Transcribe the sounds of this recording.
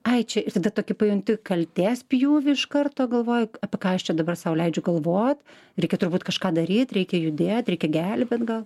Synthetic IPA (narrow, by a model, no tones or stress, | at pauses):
ɐɪt͡ʃʲɛɪt̪ɐd̪ɐt̪oːkʲɪpɐjʊŋʲt̪ʲɪkɐlʲt̪ʲeːspʲjuːʋʲɪɪʃkɐrt̪oːɡɐlˠʋoːjʊɑːpʲɛkɑːɐʃt͡ʃʲɛd̪ɐbɐrsɑʊlʲɛɪd͡ʒʲʊɡɐlˠʋoːt̪ʲ | ɾʲɛɪkʲɛt̪ʊrbuːt̪kɐʃkɑːd̪ɐɾʲiːt̪ʲɾʲɛɪkʲɛjʊd̪ʲeːt̪ɾʲɛɪkʲɛɡʲælʲbʲeːt̪ɡɐlˠ